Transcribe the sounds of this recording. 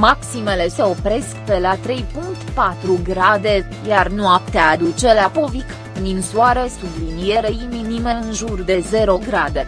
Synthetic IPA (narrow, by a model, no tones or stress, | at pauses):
maksime̞le̞se̞o̞pɾe̞skpe̞lat̪ɾe̞jpuŋk̚t̪pat̪ɾuɡɾad̪e̞ | jarnuapt̪ead̪ut͡ʃe̞lapo̞vik | d̪insuaɾesublinijeɾeininimeɨnʒurd̪e̞ze̞ɾo̞ɡɾad̪e̞